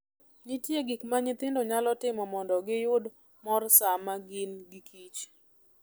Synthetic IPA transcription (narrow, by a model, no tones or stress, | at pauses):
ɲitjeɡikmaɲɪt̪ɪndoɲalɔtɪmɔmɔndɔɡɪjʊd | mɔrsamaɡɪnɡikʰit͡ʃ